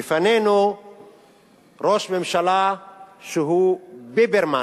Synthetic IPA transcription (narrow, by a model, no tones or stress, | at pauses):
ifaneno | ɾosmemʃalasuɦubebeɾma